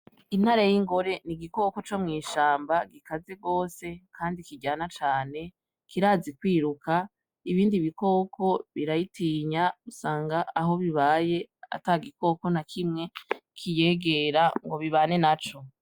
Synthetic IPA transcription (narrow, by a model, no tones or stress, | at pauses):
in̥haɾajiŋɡo̞ɾe̞niɡiko̞ko̞t͡ʃomŋiːʃaːmbaɡikaze̞ɡo̞ːse̞kʰaːndikiɟaːnat͡ʃaːne̞ | kiɾaːzikwiːɾuka | iβiːndiβiko̞ːkʰo̞βiɾajitiːɲausaːŋɡaːɦo̞βiβaːje̞a̰taɡiko̞ko̞nakʰimŋe̞kʰije̞ːɡe̞ɾaŋɡo̞βiβaːne̞nat͡ʃo̞